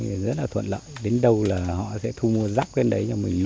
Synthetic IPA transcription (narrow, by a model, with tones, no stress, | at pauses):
i˨˩zə˦˥t̚laː˨˩t̪ʰwə̰˧˨nlə̰ː˧˨jɗe˨˦nɗə˧wlaː˨˩hɔ̰˧˨sɛ̰˧˥t̪ʰu˧mu˧əzaː˦˥k̚kwɛ˧nɗə˨˦jɲɔ˧mï˨˩ŋ̟l